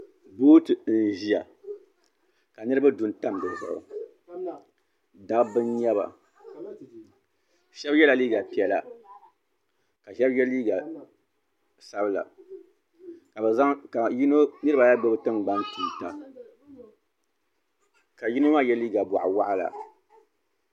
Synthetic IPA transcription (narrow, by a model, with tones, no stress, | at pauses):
boː˦tɨ˨n̩˦˨ʒi˦a̰˨ | ka˨nɨ˦ɨ˦ba˦du˨˦n˦ta˦m˨dɨ˨zʊ̰˨ʔʊ̰˨ | da˦ɡbɨ˦nɲɛ˦ba̰˨ | ʃɛ˦bjɛ˦la˨liː˦ɡa˨pi˨ɛ˨la˨ | ka˨ʃɛ˦bjɛ˦liː˦ɡa˨ | sa˦bɨ˦la̰˨ | ka˨bɨ˨za˦ŋka˨ji˦no˦nɨ˦ɾɨ˦ba˨ja˦ɡ͡bɛ˦bɨ˦tɨ˦ŋ˨ɡ͡ba˦ntu˨n˨ta˨ | ka˨ji˦no˦ma˦˨jɛ˦liː˦ɡa˨ba̰˨ʔa˨wa˦ʔa˦la̰˨